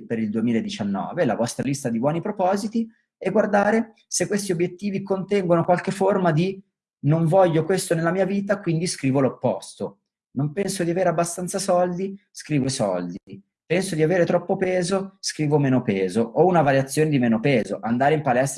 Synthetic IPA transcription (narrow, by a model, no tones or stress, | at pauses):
peɾild̪uemiːlaed̪ːit͡ʃanːɔ̰ːvela̰vɔst̪ɾalist̪ad̪ibwɔːnipɾopɔːzit̪i | ɛɡward̪aːɾe | sekːwest̪iobjet̪ːiːvikont̪ɛŋɡonokwalk̟eformad̪i | noɱvɔʎːokwest̪onelːamiːaviːt̪̬akwind̪iskɾiːvolopːɔ̰st̪o | nompɛnsod̪iaveːɾeabːast̪ant̪sasɔld̪i | skɾiːvoesɔ̰ld̪i | pɛnsod̪iaveːɾet̪ɾɔpːopɛːzoskɾiːvomeːnopɛːzoʔounavaɾjat̪sːjoːned̪imeːnopɛːzo̰ʔand̪aːɾeimpalɛst̪